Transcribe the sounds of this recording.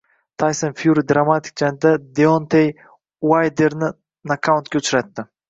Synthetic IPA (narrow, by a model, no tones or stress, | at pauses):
t̪ʰajsonfjuɾid̪ɾamat̪ʰɪ̥k̚d͡ʒand̪ad̪eont̪ʰej | wajd̪e̞ɾnɪ | nakʰːawʊnt̪̚kʲaʊt͡ʃɾat̪ːɪ